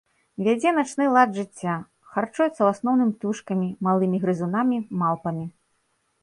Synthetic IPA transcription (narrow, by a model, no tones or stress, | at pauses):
vʲad͡zʲɛnat͡ʂnɨlˠad̪ʐɨt͡sʲːa | xart͡ʂujɛt̪sːɐwasnɔwnɨmʲt̪uʂkɐmʲimalˠɨmʲiɣɾɨzunamʲimalˠpɐmʲi